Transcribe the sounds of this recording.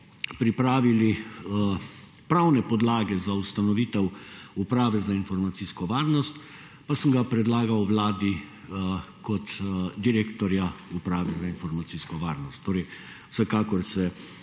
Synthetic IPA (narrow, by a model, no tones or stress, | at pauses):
pɾipɾaːʋili | pɾawnɛpɔd̪laːɡɛzaust̪anɔʋiːt̪ɛwupɾaːʋɛzainfɔɾmat̪siskɔʋaːɾnɔst̪ | pasəmɡapɾɛd̪laːɡawʋlaːd̪i | kɔt̪d̪iɾeːkt̪ɔɾjaupɾaːʋɛzainfɔɾmat̪siːskɔʋaːɾnɔst̪ʰːoːɾɛj | wsɛkaːkɔɾsɛ